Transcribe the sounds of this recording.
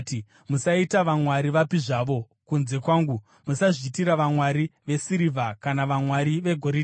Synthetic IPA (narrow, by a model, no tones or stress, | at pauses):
i | musaitaʋamwaɾiʋapiʐaʋo̞ | kunze̞kwaːŋɡu | musaʐiːtiɾaʋamwaɾiʋe̞siɾivʱakanaʋamwaɾiʋe̞ɡʱo̞ɾi